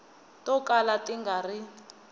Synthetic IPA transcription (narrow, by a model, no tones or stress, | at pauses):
tɔkalatiŋɡari